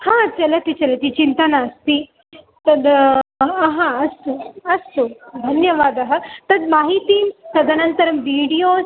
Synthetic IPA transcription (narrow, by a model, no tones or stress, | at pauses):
hãt͡ʃɐlet̪iːt͡ɕɐlet̪iːt͡ɕint̪anaəst̪iː | t̪ɐd̪ | ɦãɐst̪oɐst̪od̪ʱɐnjəʋaːd̪aɦət̪ɐd̪maɦit̪iːnt̪ɐd̪ɐnənt̪əɾɐmʋiɽijos